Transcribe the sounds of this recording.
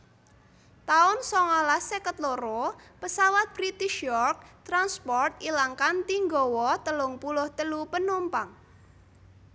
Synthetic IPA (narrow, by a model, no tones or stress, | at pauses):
t̪aʊnsɔŋɔlasekət̪loɾopəsawat̪̚b̥ɾit̪iʃjɔrk̚t̪ɾanspɔrt̪̚ilaŋkant̪iŋɡɔ̤wɔt̪əlʊŋpulʊht̪əlupənumpaŋ